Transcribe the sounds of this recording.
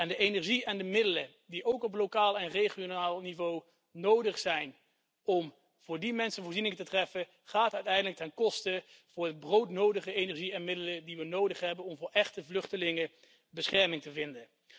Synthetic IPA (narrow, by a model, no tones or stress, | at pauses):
ɛndəʔenɛɹʒiɛndəmɪdələ | diʔowkɔp̬lowkaːlˠɛnrejχjonaːlˠnivow | nowdəχsɛjn | ɔm | v̥ʊːɹdimɛnsənvʊːɹrzinɪŋətətrɛfə | χaːtœɥtɛjndələk̚tɛnkɔstə | v̥ʊːɹɦəd̚browtnowdəχəejnɛɹʒiɛnmɪdələdiʋənowdəχɦɛbənɔmvʊːɹʔɛχtəvlɵχtəlɪŋə | bəsχɛɹmɪŋtəvɪndən